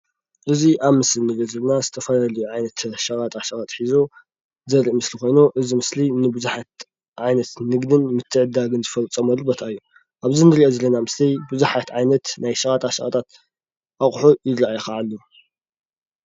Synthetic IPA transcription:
ʔɨziʔaβmɨslinɨlozɐlɐnazɨt̪ʰɐfɐlalɐjuʕajnɐt̪ʃɐɣʼat̪ʼaʃɐɣʼat̪ʼħizo | zɐɾiʔmɨslixo̞jnuʔɨzimɨslinɨbɨzuħat̪ | ʕajnɐt̪nɨɡd̪ɨnmɨt̪ʰːɨʕɨd̪aɡɨnzɨfɐlt͡sʼːɐmɐlːubɐt̪ʰaɨjːu | ʔaβzinɨɾiʔozɐlɐnamɨslijbɨzuħat̪ʕajnɐt̪najʃɐɣʼat̪ʼaʃɐɣʼat̪ʰʼat̪ | ʔaχʼħujɪd̪ɾaajxaʕalːu

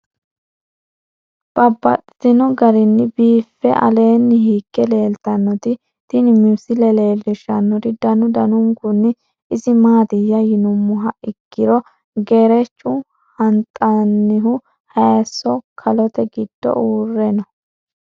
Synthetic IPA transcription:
b̥ɐbːɐ̰t̪ʼɪt̪ɪnɔɡɐɾɪnːɪbiːfːɛʔɐ̰le̞ːnːɪhiːkːɛle̞ːlt̪ɐnːɔt̪ɪ | t̪ɪnɪmusɪlɛle̞ːlːɪʃɐnːɔt̪ɪd̪ɐnʊd̪ɐnʊŋɡʊnːɪ | ɪzɪmaːd̪ɪjːɐjɪnʊmːʊɦɐʔɪkːɪɾɔ | ɡeːɾɛt͡ʃːʊ | hɐnt̪ʼɐnːɪɦʊ | hɐjsːɔkʰɐlɔt̪ɛɡɪd̪̥ːɔ̰ʔuːrːɛnɔ

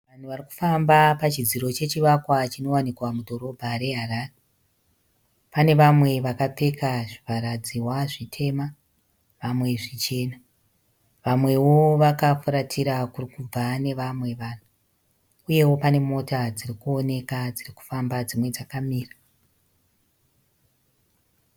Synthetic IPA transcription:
ʋan̤uʋariku̥fambapat͡ʃid͡ziɾo̞t͡ʃe̞t͡ʃiʋakwat͡ʃino̞wanikwamudʱo̞ɾo̞bʱaɾe̞ɦaraːre | pane̞ʋamwe̞ʋakape̞kaʐipaɾad͡ziwaʐitʰe̞ma | ʋamwe̞ʐit͡ʃe̞ːna | ʋamwe̞wo̞ʋakafuɾatʰiɾakurikub͡vane̞ʋamwe̞ʋaːn̤u | uje̞wo̞pane̞mo̞tad͡zirikuo̞ne̞kad͡ziriku̥fambad͡zimwe̞d͡zakamiːra

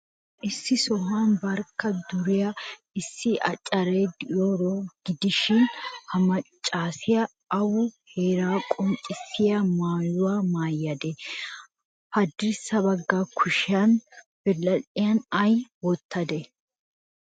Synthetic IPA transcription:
ʔɪsːɪsɔɦaːnbɐɾkːɐd̪ʊɾɪjɐ | ɪsːɪʔɐt͡ʃʼːɐɾejd̪ɪjoːɾoːɡ̥ɪd̪ɪʃɪnhɐmɐt͡ʃʼːaːsɪjɐ | ɐwʊheːɾaːkʼɔnt͡ʃʼːɪsːɪjɐmaːjʊwaːmaːjːɐd̪ɛ | pɐd̪ɪɾsɐbɐɡːaːkʰʊʃɪɐn | b̥ɛlːɐlɪjɐnɐjwɔt̪ːɐd̪ɛ

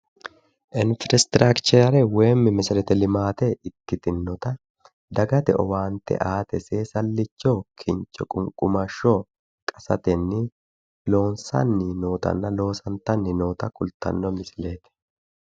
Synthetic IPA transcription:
ʔɪnfɪɾɛst̪ɾakt͡ʃɛɾɛwe̞ːmːɪmɪsɪɾɛt̪ɛlɪmaːt̪ɛɪt̪ːɪt̪ɪnːɔt̪ɐ | d̪ɐɡɐt̪ɛ̰ʔɔwaːnt̪ɛ̰ʔaːt̪ɛseːsɐlːɪt͡ʃːoːkʰɪnt͡ʃɔkʼʊŋkʼʊmɐʃːoː | kʼɐsɐt̪ɛnːɪ | lo̞ːnsɐ̰nːɪnoːt̪ɐ̰nːɐlo̞ːsɐnt̪ɐnːɪno̞ːt̪ɐkʼʊlt̪ɐ̰nːɔmɪsleːt̪ɛ̥

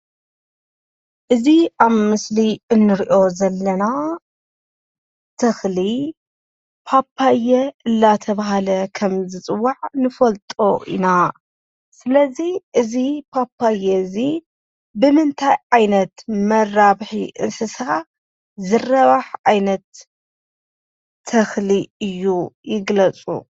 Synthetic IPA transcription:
ʔɨziʔaβmɨsliʔɨnːɨɾiʔo̞zɐlːɐna | t̪ʰɨxli | pʰapʰːajɛɨlːat̪ʰɐβaɦalɐkʰɐmzɨt͡sʼɨwːaʕnɨfɐlt̪ʼo̞ʔḭna | sɨlɐziʔɨzipʰapʰːajɛzi | bɨmɨnt̪ʰajʕajnɐt̪mɐraβħiʔɨnsɨsa | zɨrɐβaħʕajnɐt̪ | ɐxliɨjːujɪɡlɐt͡sʼṵ

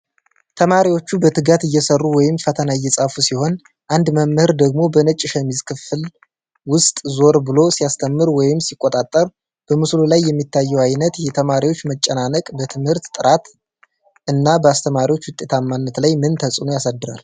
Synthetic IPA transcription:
t̪ʰəmaɾiwo̞t͡ʃːubət̪ʰɨɡat̪ɨjːɛsərːuwɔjɪmfət̪ʰənaɪjːɛsʼafusiho̞n | ʔand̪məmːɨhɨɾd̪əɡ̚mo̞bənət͡ʃʼːɪʃɛmizkʰɨfɨl | wʊst̪ʼzo̞ɾbɨlo̞sijast̪ʰəmːɨɾwɔjɪmsikʼːot̪ʼat̪ʼːəɾ | b̥əmɨslulajːɛmːit̪ʰːajːɛwajnət̪jɛt̪ʰəmaɾiwo̞t͡ʃːmət͡ʃʼːənanəkʼbət̪ʰɨmhɨɾt̪t̪ʼɨɾat̪ | ʔɨnːabəast̪ʰəmaɾiwo̞t͡ʃːwʊt̪ʼːe̞t̪ʰamːanːət̪lajmɨnt̪ʰəsʼɨnojasad̪ːɨɾa̰l

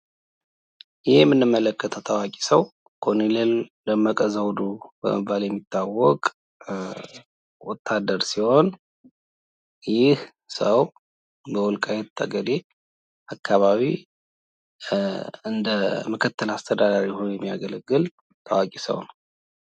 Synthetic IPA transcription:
jɪhjɛmːɨnːɨmːələkːət̪ʰət̪ʰawakʼi̥səw | kʰonileld̪əmːakʼəzawd̪ubə̰mɨbːaljɛmːit̪ʰːawːɔkʼ | wɔt̪ʰːad̪ːəɾsiho̞n | jɪh | səw | bəwɔlkʼajɛt̪ʰːə̰ɡəɾe | akʰːaβaβi | ɨnd̪əməkʰət̪ʰːəlast̪ʰəd̪ad̪aɾihonjɛmːijaɡələɡːɨl | t̪ʰəwakʼisə̰wnəw

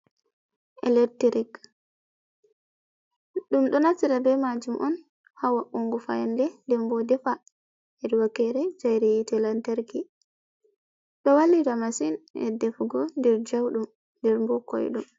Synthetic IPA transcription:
ʔɛ̰lɛɾtiɾik | ɗumɗɔnatːiɾabɛmad͡ʒumʔɔn | hawaʔuŋɡufa̰janlɛndɛmbɔdɛfa | ɛdwakɛɾɛd͡ʒajɾijitɛlantaɾki | ɗɔwalːiɾamasinɛ̰dɛfɡɔndɛɾd͡ʒawɗum | ndɛɾmbɔkɔ̰jɗum

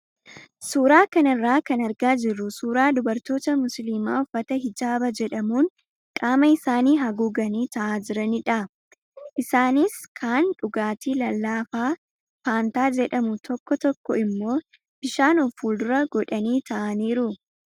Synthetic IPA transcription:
suːɾaːkɐnɪrːaːkɐnɐɾɡaːd͡ʒɪrːʊsuːɾaːd̪ʊbɐɾt̪o̞ːt̪ɐmʊslimaːɔfːɐt̪ɐɦɪd͡ʒaːbɐd͡ʒɛᶑɐmuːn | kʼaːmɐɪsaːniːɦɐɡuɡɐniːt̪ɐʔaːd͡ʒɪɾɐnɪᶑɐ | ʔɪsaːnɪskʰaːnᶑʊɡaːt̪iːlɐlːaːfaː | faːnt̪aːd͡ʒɛᶑɐmʊt̪ʰɔkːɔt̪ɔkːɔɪmːo̞ː | b̥ɪʃaːnɔfːuːld̪ʊɾɐɡɔᶑɐniːt̪ʰɐʔɐniːɾʊ

